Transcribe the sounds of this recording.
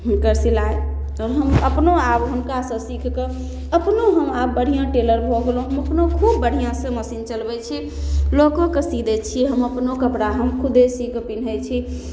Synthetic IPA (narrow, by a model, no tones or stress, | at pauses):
ɦumkəɾsilae | ɔɾɦəməpnoabɦunkasə̃sikʰke | əpnoɦəmabbəɽ̤ijãʈeləɾbʱɔɦolũɦəməpnokʰubːəɽ̤ijãsə̃məsint͡ʃəlbɛt͡ʃʰi | lokokesid̪ʱɛt͡ʃʰiɦəməpnokəpɽaɦəmkʰud̪ʱesikʰpinɦɛt͡ʃʰi